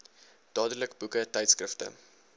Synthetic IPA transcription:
d̥ɑːdələkbukətɛjtskrəftə̰

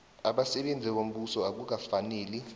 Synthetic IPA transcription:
aɓasɛɓend͡zʱiɓom̩ɓusɔak̬uk̬afaneːli

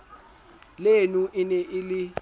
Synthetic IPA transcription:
lenuʔɪnɛʔɪlɪ

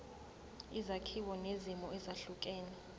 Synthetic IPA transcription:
izakʰiwɔnezimɔɛzaɬukʼɛːnɛ

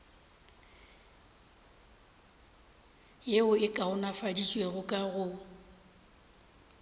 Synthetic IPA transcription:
jeʊɪkʼaʊnafadit͡ʃʼweɣʊkʼaɣʊ

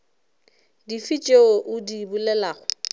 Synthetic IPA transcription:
difit͡ʃʼeoʔʊdibulɛlaːɣʊ

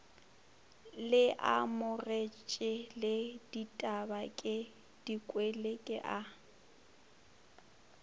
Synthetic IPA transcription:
lɪʔa̰mʊret͡ʃʼɪlɪditʼabakʼɪ | d̥ikʼwelekʼɪʔa

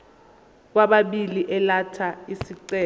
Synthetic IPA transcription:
k̬waɓaɓiliʔɛlatʰaisiǀɛː

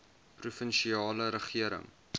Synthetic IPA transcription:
prufənʃiɑːləɾəχiəɾə̰ŋ

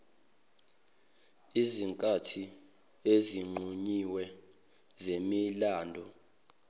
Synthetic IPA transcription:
iziŋkʼatʰi | eziŋ͡ǃʱuɲiwɛ | zemilaːndʱɔ

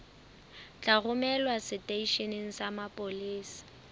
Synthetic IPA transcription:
t͡ɬʼarʊmɛlwasɪtʼeiʃeneŋ̩samapʼoliːsi̥

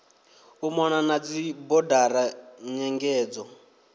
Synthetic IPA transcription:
umɔnanad͡zibɔdaɾaɲɛŋɡɛːd͡zɔ

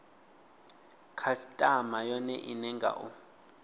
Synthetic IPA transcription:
kʰasitʼamajɔnɛ̰ʔinɛŋɡʱa̰ʔu

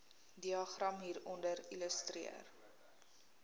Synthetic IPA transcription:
diɑχrɐmɦiːɾɔndəɾiləstrḭə̰r

